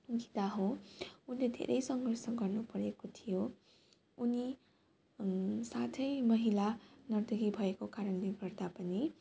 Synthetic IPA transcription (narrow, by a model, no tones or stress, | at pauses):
ɡit̪aɦõunled̪ʱḛɾʔʌjsʌŋɡʌrsʌɡʌrnupʌɾekot̪ʰijo | uni | sat̪ʰʌjmʌɦilanʌrd̪ʌɡibʱʌekokaɾʌnleɡʌrd̪apʌni